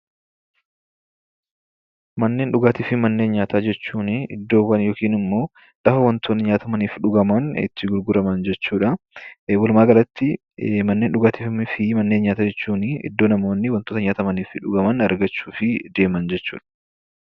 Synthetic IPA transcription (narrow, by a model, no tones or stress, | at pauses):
mɐnːe̞ːnᶑʊɡaːt̪iːfɪmɐnːe̞ːnɲaːt̪aːd͡ʒɛt͡ʃːuːnɪɪd̪ːo̞ːwɐnjoːkiːnɪmːo̞ː | ᶑɐfɐwɐnt̪ʰoːnːɪɲaːt̪ɐmɐniːfᶑʊɡɐmɐnɪ̰t̪ːɪɡʊɾɡʊɾɐmɐnd͡ʒɛt͡ʃːuːᶑɐ | wʊlmaːɡɐlɐt̪ːɪ | mɐnːe̞ːnɗʊɡaːt̪ifmɪfɪmɐnːe̞ːnɲaːt̪aːd͡ʒɛt͡ʃːuːnɪʔɪ̰d̪ːo̞ːnɐmo̞ːnːɪwɐnt̪oːt̪ɐɲaːt̪ɐmɐniːfɪᶑʊɡɐmɐnɐɾɡɐt͡ʃːuːfɪd̪e̞ːmɐnd͡ʒɛt͡ʃːṵːᶑɐ̥